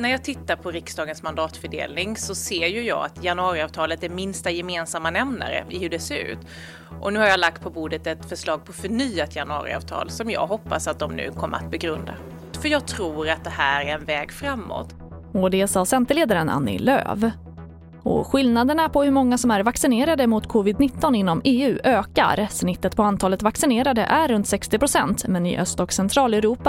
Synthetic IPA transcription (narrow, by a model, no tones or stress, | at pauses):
næɾjɑːɡt̪ʰɪt̪ːaɾpʰɔɾɪksd̪ɑːɡənsmand̪ɑːt̪fœɖḛːlnɪŋsɔseːɾjɵjɑ̰ːa̰t̪ʰjanɵɑːɾɪɑːvt̪ʰɑːlət̪æɾmɪnst̪ajɛmeːnsamːanɛmna̰ɾə̰ɪhɵɖɛseɾʉ̟̰ːt̪ | ʔɔnʉ̟ːhaɾjalak̚t̪̚pʰɔbuːd̪ət̪ɛt̪fœʂlɑːɡ̚pʰɔfœɳyːat̪ʰjanɵɑ̰ːɾɪ̰ɑ̰ːvt̪ʰɑ̰ːlsɔmjɑ̰ːɡɦɔpːa̰sat̪̚d̪ɔmnʉ̟̰ːkʰɔmːə̰ɾa̰t̪̚bɛɡɾɵnd̪a̰ | fœjɑːɡ̚t̪ʰɾuːɾat̪̚d̪ɛhæːɾæɾɛnvɛːɡfɾamːo̰t̪ | ɔd̪ɛsɑːsɛnt̪əleːd̪aɾəna̰nːɪ̰lø̰ːv | ɔ̰ɧɪlnad̪əɳapʰɔhɵɾmɔŋːasɔmæɾvaksɪneːɾad̪əmʊt̪kʰɔvɪd̪nɪt̪ːɔnɪnːɔmeːʉ̟ːʔøːka̰ɾsnɪt̪ːət̪̚pʰɔant̪ʰɑːlət̪vaksɪneːɾad̪ə̰ʔæɾːɵnt̪sɛkst̪ɪpɾʊsɛnt̪mɛnɪ̰ʔœst̪ɔksɛnt̪ʰɾɑːlɛɾuːpa